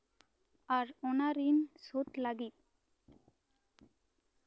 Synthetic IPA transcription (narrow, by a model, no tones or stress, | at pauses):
aɾɔnaɾinsot̪laɡit̪̚